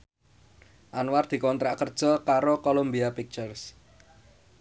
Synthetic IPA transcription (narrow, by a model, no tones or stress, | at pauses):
ʔanward̪̥i̤kɔnt̪ɾaʔkərd̥ʒ̥ɔ̤kaɾokolombiapik̚t͡ʃərs